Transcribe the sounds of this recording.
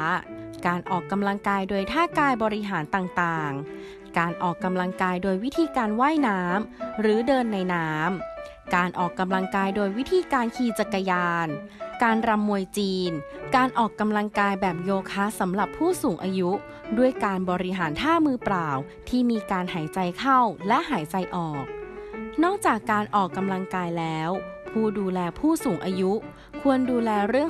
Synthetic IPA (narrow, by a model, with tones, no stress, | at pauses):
kaː˧nʔɔː˨˩kːa˧mla˧ŋkaː˧jdoː˧jt̪ʰaː˥˩kaː˧jbɔː˧ɾi˦˥ɦaː˩˦nt̪aː˨˩ŋt̪aː˨˩ŋ | kaː˧nʔɔː˨˩kːa˧mla˧ŋkaː˧jdoː˧jwi˦˥t̪ʰiː˧kaː˧nwaː˥˩jnaː˦˥mɾɯː˩˦dɤː˧nːa˧jnaː˦˥m | kaː˧nʔɔː˨˩kːa˧mla˧ŋkaː˧jdoː˧jwi˦˥t̪ʰiː˧kaː˧nkʰiː˧t͡ɕa˨˩kːa˧jaː˧n | kaː˧nɾa˧mːu˧əjt͡ɕiː˧n | kaː˧nʔɔː˨˩kːa˧mla˧ŋkaː˧jbɛː˨˩p̚joː˧kʰaː˦˥sa˩˦mɾa˨˩pʰːuː˥˩suː˩˦ŋʔaː˧ju˦˥ | du˥˩əjkaː˧nbɔː˧ɾi˦˥ɦaː˩˦nt̪ʰaː˥˩mɯː˧plaː˨˩w | t̪ʰiː˥˩miː˧kaː˧nhaː˩˦jt͡ɕa˧jkʰa˥˩wlɛ˦˥ʔɦaː˩˦jt͡ɕa˧jʔɔː˨˩k̚nɔː˥˩k̚t͡ɕaː˨˩kːaː˧nʔɔː˨˩kːa˧mla˧ŋkaː˧jlɛː˦˥wpʰuː˥˩duː˧lɛː˧pʰuː˥˩suː˩˦ŋʔaː˧ju˦˥ | kʰu˧ənduː˧lɛː˧ɾɯ˥˩əŋ